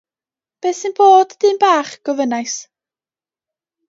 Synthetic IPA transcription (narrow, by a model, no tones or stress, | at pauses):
b̥eːsɨnb̥oːdd̥ɨːnbaːχɡ̥ɔvənajs